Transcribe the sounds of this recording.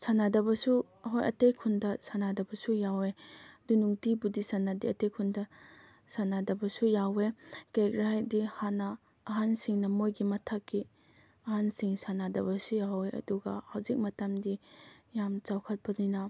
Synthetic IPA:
sanadɐbɐsu | ɐɦojʔɐ̰tejkʰundɐsanadɐbɐsujawedunuŋtibudisanːadiɐtejkʰundɐ | sanadɐbɐsujawekekɾaajdihanɐː | ɦansiŋnɐmojɡimɐtʰakːi | ɐɦansiŋsanadɐbɐsujaweɐ̰duɡɐ̰hawzik̚mɐtɐmdijamt͡ʃawkʰɐt̚pɐninɐ

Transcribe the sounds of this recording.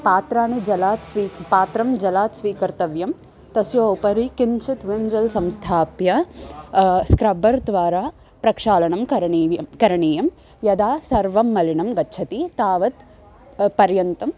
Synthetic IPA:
paːt̪ɾaːnid͡ʒɐlaːt̪sʋiːpaːt̪ɾɐmd͡ʒɐlaːt̪sʋiːkɐɾt̪ɐʋjɐm | t̪ɐsjoːwpɐɾikint͡ʃʰit̪ʋimd͡ʒɐlsɐmst̪ʰaːpjɐ | skɾɐbɐɾd̪ʋaːɾaː | pɾɐkʂaːlɐɳɐmɐɾkɐɾɐɳiːjɐm | jɐd̪aːsɐɾʋɐmːɐlinɐmɡɐtːt͡ʃʰɐt̪it̪aːʋɐt̪ | pɐɾjɐnt̪ɐm

